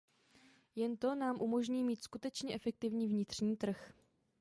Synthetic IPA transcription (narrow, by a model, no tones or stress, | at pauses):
jɛnt̪o̞naːmʔumo̞ʒɲiːmiːt̪skut̪ɛt͡ʃɲɛʔɛfɛk̚t̪ɪvɲiːvɲɪt̪r̝̥ɲiːt̪r̩x